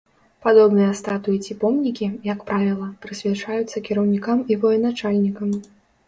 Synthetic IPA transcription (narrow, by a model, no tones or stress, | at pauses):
pad̪ɔbnɨjɐst̪at̪ujit͡sʲipɔmnʲikʲijɐkpɾavʲilˠɐpɾɨsʲvʲat͡ʂajut̪sːɐkʲiɾɐwnʲikamivɔjɛnat͡ʂalʲnʲikɐm